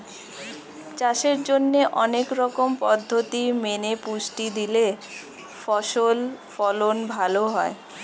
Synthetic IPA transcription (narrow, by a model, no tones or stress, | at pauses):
t͡ɕaʃeɾd͡ʑonːeʔɔnekɾɔkompɔd̪ʱːot̪imenepuʃʈid̪ile | fɔʃolfɔlonbʱaloɦɔe